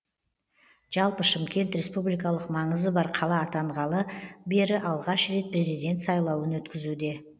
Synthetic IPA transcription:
ʒ̥ɑlˠpəʃɪmkʲe̞nt̪ɾʲe̞spublijkɑlˠəqmɑɴəzəbɑɾqʰɑlˠɑːt̪ɑɴʁɑlˠəbe̞ɾɪʔɑlˠʁɑʃɾe̞t̪̚pʰre̞zijd̪ʲe̞nt̪sɑjlˠɑwənwɵt̪kʲɪzud̪e̞

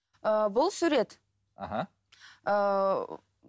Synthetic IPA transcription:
əbʊlˠsuɾe̞t̪ | a̰ɦa | ə

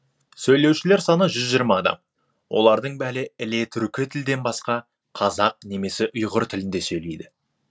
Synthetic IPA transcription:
sɵjle̞wʃɪleɾsɑnəʒʏzʒijəɾmɑːd̪ɑ̰m | wʔo̞̰lˠɑɾd̪əɴbæɾɪɪle̞t̪ʰʏɾkʲɪt̪ʰɪld̪e̞nbɑsqɑ | qʰɑzɑq̚ne̞me̞sɪʔʊjʁəɾt̪ʰɪlɪnd̪e̞sɵjle̞jd̪ɪ

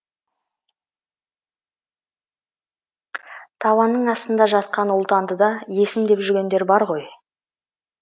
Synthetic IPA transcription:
t̪ʰɑwɑnːəɴɑst̪ənd̪ɑʒɑt̪̚qɑnʊlˠt̪ɑnd̪əd̪ɑje̞sɪmd̪e̞pʒʏɾɡʲe̞nd̪e̞ɾbɑɾʁo̞j

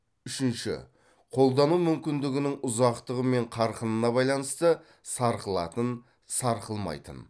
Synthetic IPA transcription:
ʏʃɪnʃɪ̰ | qʰo̞lˠd̪ɑnumʏmkʲɪnd̪ɪɡʲɪnɪŋʊzɑqt̪əʁəme̞ɴqʰɑɾqənənɑbɑjlˠɑnəst̪ə | sɑɾqəlˠɑ̰t̪ən | sɑɾqəlˠmɑ̰jt̪ə̰n

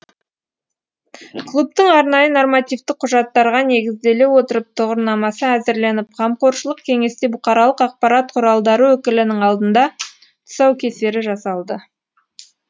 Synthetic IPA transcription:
klˠupt̪əɴɑɾnɑjəno̞rmat̪ijvt̪ɪq̚ʰːʊʒɑt̪ːɑɾʁɑne̞ɡʲɪzd̪e̞le̞wo̞t̪əɾəp̚t̪ʰʊʁəɾnɑmɑsəæzɪɾle̞nɪp̚qʰɑmqo̞ɾʃəlˠəqkʲʰe̞ŋe̞st̪e̞bʊqɑɾɑlˠəqɑq̚pɑɾɑt̪̚qʰʊɾɑlˠd̪ɑɾəwɵkʲɪlɪnɪŋɑlˠd̪ənd̪ɑ | t̪ʰʊ̥sɑwkʲʰe̞se̞ɾɪʒɑsɑlˠd̪ə

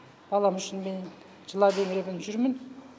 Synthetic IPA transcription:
b̥ɑlˠɑmʏʃɪnmen | ʒəlˠɑbeŋɾebɪnʒʏɾmɪn

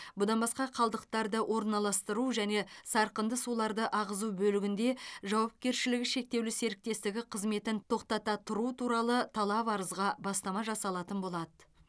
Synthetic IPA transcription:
bʊd̪ɑnbɑsqɑqʰɑlˠd̪əq̚t̪ɑɾd̪əwʔo̞ɾnɑlˠɑst̪əɾuʒæne̞sɑɾqənd̪əsulˠɑɾd̪əʔɑʁəzubɵlɪɡʲɪnd̪e̞ʒɑwɑp̚kʲe̞ɾʃɪlɪɡʲɪʃe̞k̚t̪e̞wlɪse̞ɾɪk̚t̪e̞st̪ɪɡʲɪqʰəzme̞t̪ɪnt̪ʰo̞qt̪ɑt̪ɑt̪ʰʊɾut̪ʰuɾɑlˠət̪ʰɑlˠɑpɑɾəzʁɑbɑst̪ɑmɑʒɑsɑlˠɑt̪ənbo̞lˠɑd̪ə

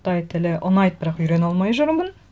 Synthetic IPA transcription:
t̪ɑjt̪ʰɪlɪʔʊnɑjt̪̚bɪɾɑqʏjɾe̞nɑlˠmɑjʒʊɾmbən

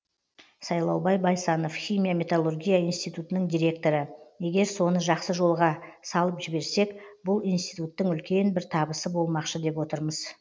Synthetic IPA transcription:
sɑjlˠɑwbɑjbɑjsɑno̞fχʲijmʲijamʲe̞t̪alˠurɡʲijaijnst̪ijt̪ut̪ənəɴd̪ijɾʲe̞k̚t̪o̞ɾəje̞ɡʲe̞ɾso̞nəʒɑqsəʒo̞lˠʁɑsɑlˠəpʒɪbe̞ɾse̞kbʊlˠijnst̪ijt̪ut̪ːəŋʏlkʲe̞nbɪɾt̪ʰɑbəsəbo̞lˠmɑqʃəd̪e̞pwo̞t̪əɾməz̥

